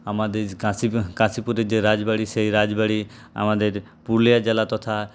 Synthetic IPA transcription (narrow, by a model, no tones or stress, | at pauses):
amãd̪ekãːsikãːsipuɾed͡ʒeɾaːd͡ʒbəɽiseiɾaːd͡ʒbəɽi | a̰mãːd̪eːɾ | pulijad͡ʒəlat̪ɔt̪ʰa